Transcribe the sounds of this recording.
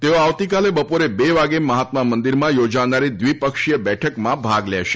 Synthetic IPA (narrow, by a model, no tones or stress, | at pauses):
t̪eoaʋt̪ikalebəpoɾebeʋaɡeməɦat̪mamə̃nd̪iɾmãjod͡ʒanaɾid̪ʋipəkʃijəbɛʈʰəkmãbʱaɡlɛ̰ʃe̥